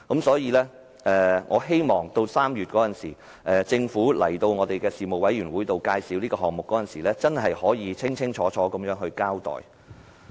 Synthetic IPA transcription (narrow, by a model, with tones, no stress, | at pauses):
kɐ˨˥msɔː˨˥jiː˨˧lɛː˥ | ʔɛː˨ŋʔɔː˨˧ɦe˥jmɔː˨ŋt̪o˧wsaː˥mjyː˨t̚kɔː˨˥jɐ˨nsḭː˨˩ | ʔɛː˨˩t͡sɪ˧ŋfuː˨˥lɐ̰˨˩jt̪o˧wŋɔː˨˧t̪e˨jkɛː˧siː˨˩mo˨wɐ˨˥jyː˨˩nwuː˨˥jt̪o˨wkaː˧jsi˨˥wniː˥kɔː˧ɦɔː˨˩ŋmʊ˨kːɔː˨˥jɐ˨nsiː˨˩lɛː˥t͡sɐ˥nɦɐ˨jhɔː˨˥jiː˨˧t͡sʰɪ˥ŋt͡sʰɪ˥ŋt͡ʃʰɔː˨˥t͡ʃʰɔː˨˥kɐ˨˧mjœː˨˥ŋɦɵ˧ɥkaː˥wt̪ɔ̰ː˨˩j